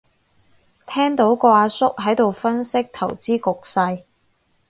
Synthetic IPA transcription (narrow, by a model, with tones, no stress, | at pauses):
t̪ʰɛː˥ŋt̪o˨˥wkɔː˧aː˧sʊ˥k̚ɦɐ˨˥jt̪o˨wfɐ˥nsɪ˥k̚t̪ʰɐ˨˩wt͡siː˥kʊ˨k̚sɐ˧j